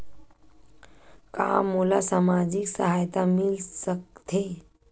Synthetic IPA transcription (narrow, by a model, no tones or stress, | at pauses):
ka̰ːmulasaːmad͡ʒiksə̰ɦaːjt̪amɪlsək̚t̪ʰe